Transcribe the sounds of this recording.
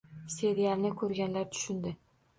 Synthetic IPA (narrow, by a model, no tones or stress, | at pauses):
se̞ɾijalnɪkʰɵɾɡʲanlaɾt̪ʰʊ̥ʃʊnd̪ɪ